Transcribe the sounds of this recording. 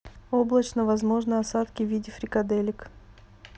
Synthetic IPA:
o̞blˠət͡ɕnəvɐzmo̞ʐnɨɐsat̪kʲɪvʲidʲɪfɾʲɪkɐd̪elʲɪk

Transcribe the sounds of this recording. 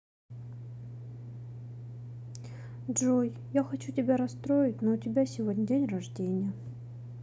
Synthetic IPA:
ʐoj | jaxɐt͡ɕutʲɪbʲaɾɐst̪ɾojɪt̚ʲnoʊtʲɪbʲasʲɪvodʲnʲədʲenʲrɐʐdʲenʲɪjə

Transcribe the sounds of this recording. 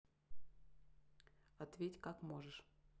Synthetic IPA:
ɐt̪vʲetʲkakmoʐɨʂ

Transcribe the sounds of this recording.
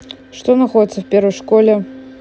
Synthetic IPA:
ʂt̪onɐxodʲɪt̪sːəfpʲervəjʂkolʲɛ

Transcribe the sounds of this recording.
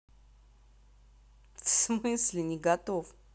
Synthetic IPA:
fsmɨsʲlʲɪnʲɪɡɐt̪of

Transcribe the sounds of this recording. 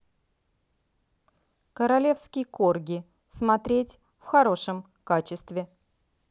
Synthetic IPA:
kəɾɐlʲe̞fskʲɪjkorɡʲɪ | smɐt̪ɾʲetʲ | fxɐɾo̞ʂəm | kat͡ɕɪst̪vʲɪ

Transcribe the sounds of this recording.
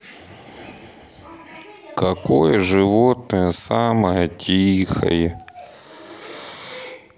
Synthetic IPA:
kɐkojɐʐɪʋot̪̚nəjɐsamɐjɐtʲʰixɐ̰jɛ

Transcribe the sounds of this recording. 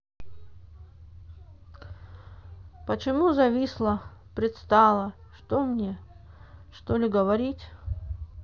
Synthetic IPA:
pət͡ɕɪmuzɐvʲislˠəpɾʲɪt̪st̪alˠəʂt̪omnʲe | ʂt̪olʲɪɡəvɐɾʲitʲ

